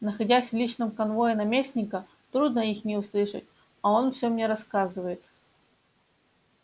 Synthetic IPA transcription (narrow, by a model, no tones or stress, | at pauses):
nəxɐdʲæsʲvlʲit͡ɕnɨmkɐnvo̞jɪnɐmʲesʲnʲɪkə | t̪ɾud̪nəixnʲɪʊslˠɨʂɨ̰tʲ | ɐo̞nfsʲomnʲe̞ɾɐskazɨvəjɪt̪